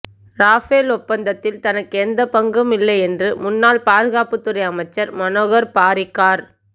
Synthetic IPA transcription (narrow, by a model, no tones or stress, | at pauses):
ɾaːfeːlɔpːɐnd̪ɐt̪ːɪlt̪ɐnɐkːɯɛnd̪ɐpɐŋɡɯmɪlːɐɪɛndrɯmʊnːaːlpaːðɯɣaːpɯt̪ːɯɾɐɪɐmɐɪt͡ʃːɐɾmɐnoːɣɐɾpaːɾɪkːaːɾ